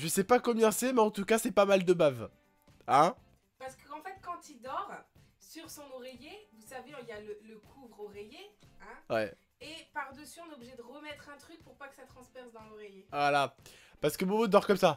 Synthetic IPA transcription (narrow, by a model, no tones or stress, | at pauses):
ʒəsɛpakɔmjɛ̃sɛmɛɑ̃t̪ukasɛpamald̪əbav | ɛ̃ | paʁsə̥kəɑ̃fɛt̪kɑ̃t̪id̪ɔʁ | syʁsɔ̃nɔʁejevusaveɔ̃iljalələkʰuvʁoʁejeɛ̃wɛ | epaʁd̪əsyɔ̃neɔbliʒɛd̪əʁəmɛt̪χɛ̃t̪χyk̚puʁpakə̥sat̪χɑ̃spɛʁsd̪ɑ̃lɔʁejevwalapaʁsə̥kəmood̪ɔʁkɔmsa